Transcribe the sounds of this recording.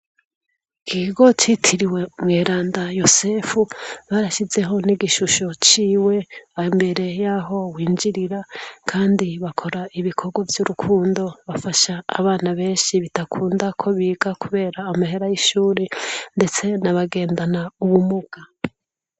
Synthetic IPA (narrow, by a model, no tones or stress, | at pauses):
kʰiːɡo̞t͡ʃitʰiɾiwe̞mŋeːɾaːndajo̞seːfuβaɾaʃize̞ɦo̞niɡiʃuʃo̞t͡ʃiːwe̞aimbe̞ɾe̞jaːɦo̞wiːɲd͡ʒiɾiɾakʰaːndiβakʰo̞ɾaiβikʰo̞ɡwavjuɾukʰuːndo̞βafaʃa̰ːβaːnaβe̞ːnʃiβitakʰuːndakʰo̞βiːɡakuβe̞ːɾaːmaɦe̞ɾajiʃuːɾende̞t͡se̞naβaɡe̞ːndanauβumuɡ̥a